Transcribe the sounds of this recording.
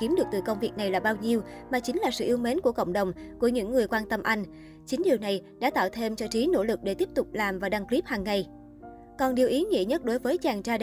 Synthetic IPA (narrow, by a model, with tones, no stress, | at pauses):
ki˨˦mɗɨ˨˩k̚t̪ɨ˨˩kə˧wŋ͡mvi˨˩ək̚na˨˩jlaː˨˩ɓaː˧wɲi˧əwmaː˨˩t͡ɕï˨˦ŋ̟laː˨˩sɨ̰˧˨ʔi˧əwme˨˦nku˧˩əkə̰˧˨wŋ͡mɗə˨˩wŋ͡mku˧˩əɲɨ̰˧˥ŋːɨ˨˩əjkwaː˧nt̪ə˧mʔa˧jŋ̟ | t͡ɕï˨˦ŋ̟ɗi˨˩əwna˨˩jɗa̰ː˧˥t̪a̰ː˧˨wt̪ʰe˧mt͡ɕɔ˧t͡ɕi˨˦no̰˧˥lɨ˨˩k̚ɗe˧˩t̪i˦˥p̚t̪ʊ˨˩k͡p̚laː˨˩mvaː˨˩ɗa˧ŋkli˦˥p̚haː˨˩ŋːa˨˩j | kɔ˨˩nɗi˨˩əwʔi˨˦ŋḭ˧˨əɲə˦˥t̚ɗo˨˦jvəː˨˦jt͡ɕaː˨˩ŋt͡ɕaː˧